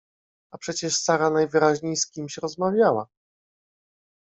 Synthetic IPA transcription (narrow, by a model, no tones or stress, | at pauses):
apʂɛt͡ɕɛʂsaɾanajvɘɾaʑɲejskʲimɕɾɔzmavʲjawa̰